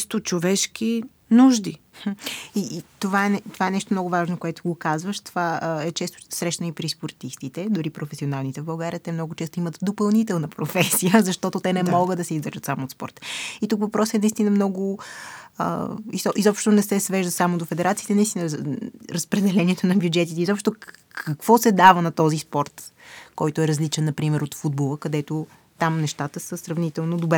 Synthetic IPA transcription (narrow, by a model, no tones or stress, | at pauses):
st̪ot͡ʃovɛʃkʲi | nuʒd̪i | it̪ovaɛnɛt̪ovaɛnɛʃt̪omnɔɡʊvaʒnokoɛt̪oɡokazvəʃt̪ovaɛt͡ʃɛst̪ʊ̥sɾɛʃt̪nipɾispoɾt̪ist̪it̪ɛd̪ʊɾipɾofɛsionalˠnit̪ɛvbɐlˠɡaɾiət̪ɛmnɔɡʊt͡ʃɛst̪oimət̪d̪opɐlˠnit̪ɛlˠnəpɾofɛsijəzɐʃt̪ɔt̪ot̪ɛnɛmɔɡəd̪d̪ɐsɛizd̪vəɾʒət̪samoːt̪spɔ̰ɾt̪ə̥it̪ukvɐpɾɔsɛnɐist̪inəmnɔɡʊ | ə̰izʔizɔpʃt̪onɛsɛsvɛʒd̪ət̪samod̪ofɛd̪ɛɾat̪siːt̪ɛnɐist̪inəɾɐspɾɛd̪ɛlɛniɛt̪onɐbjud͡ʒɛt̪it̪ɛizɔpʃt̪okʰɐkv̥ɔsɛd̪avənɐt̪ɔzispɔɾt̪kɔjt̪oɛɾɐzlit͡ʃɛnːɐpɾimɛɾot̪fud̪̚bolˠəkɐd̪ɛt̪o | t̪amnɛʃt̪at̪əsəsɾɐvnit̪ɛlˠnod̪obɾɛ